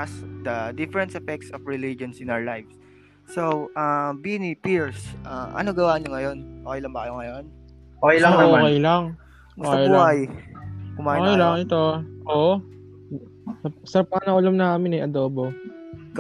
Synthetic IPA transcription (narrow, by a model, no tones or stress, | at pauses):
ɐsd̪ɐd̪ɪfɛɾɛ̃nt̪sɛfɛk̚t̪sɔfɹɛlid͡ʒonsɪnawəlajfsː | owʔabinipiɹsʔaʔɐ̰noɡɐwaːɲoŋɐjo̞nʔoːkɛjlɐŋbɐkɐjoŋɐjon | ʔokɛjɐooːkɛjlaŋ | ʔmʊoːkjbuhaj | kʊmaːhːkɛjlaŋʔɛt̪o̞ʔoːʔo | sɐsɐɾɐp̚ːɐɐnɐʔʊlɐmnɐaːɐmɪnɐjʔɐd̪oːbo